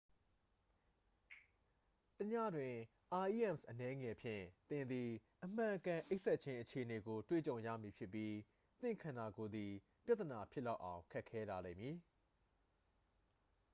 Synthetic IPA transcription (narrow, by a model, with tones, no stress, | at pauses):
təɲä̰˦˨dwɪ̃˨ | ʔa˨ʔi˦ʔɛ̃˦˨msʔənɛ˦ŋɛ˨pʰjɪ̰̃˦˨t̪ɪ̃˨nd̪i˨ʔəm̥ã˨əkã˨ʔe˦ɪʔsɛ˦t̚t͡ɕʰɪ̃˦ʔət͡ɕʰe˨ʔəne˨ɡo˨twḛ˦˨t͡ɕõ˨ʊ̃jä̰˦˨mi˨pʰjɪ˦pːji˦ | t̪ɪ̰̃˦˨ŋkʰã˨nda˨ɡo˨d̪i˨ | pja˦t̪ːə˨na˨pʰjɪ˦ʔla˦ʊʔã˨ʊ̃kʰɛ˦ʔkʰːɛ˦la˨lḛ̃˦˨mji˨